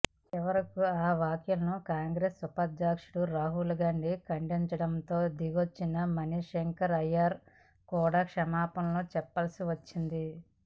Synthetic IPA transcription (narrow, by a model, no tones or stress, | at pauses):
t͡ʃɛʋɐɾɐkuaːʋaːkjulɐnukaːŋɡɾeːsːupɐd̪d͡ʒaːkʂuɽuɾaːɦulɡaːɳɖikɐɳɖiɲt͡ʃɐɽɐnt̪o̞ːd̪iɡot͡ʃːinɐmɐniʂeŋkɐɾɐjaːɾ | kuːɽaːkʂɐmaːpɐmlo̞ːt͡ʃɛpːɐlɐsiʋɐt͡ʃːind̪i